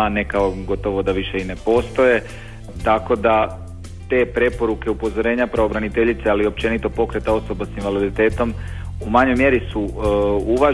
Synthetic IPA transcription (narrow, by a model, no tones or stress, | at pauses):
nekaoɡo̞t̪o̞ʋo̞d̪aʋiʃe̞ine̞po̞ːst̪o̞je̞ | t̪ako̞d̪a | t̪e̞ːpɾe̞po̞ɾuke̞upo̞zo̞ɾe̞ːɲapɾaobɾanit̪e̞ʎit̪sealio̞p̚t͡ʃe̞nit̪o̞po̞kɾe̞t̪ao̞so̞basinʋalid̪it̪e̞ːt̪o̞m | umaɲo̞jmje̞ɾisuuʋa